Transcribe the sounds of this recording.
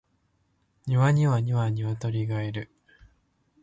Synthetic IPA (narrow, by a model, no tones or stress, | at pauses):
ɲiβaɲ̟iβaɲiβaɲiβat̪o̞ɾʲiɡaeɾɯ̟